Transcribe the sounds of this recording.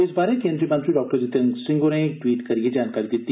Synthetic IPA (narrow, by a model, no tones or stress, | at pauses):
ɪsbaːɾekẽːnd̪ɾimɐnt̪ɾiɖɔːk̚ʈəɾd͡ʒɪt̪ɐŋsɪ̃ŋɡoneʈwiːʈkɐɾied͡ʒaːnkaːɾid̪ɪt̪ːi